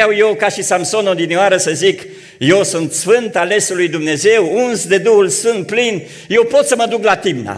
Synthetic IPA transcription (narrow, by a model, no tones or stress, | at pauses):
awjewkaʃisamso̞nod̪inooaɾəsəzik | je̞wsunt̪sfɨnt̪ale̞sulujd̪umne̞ze̞wunzd̪e̞d̪uhulsunt̪̚plin | je̞wpo̞t̪səməd̪uklat̪imna̰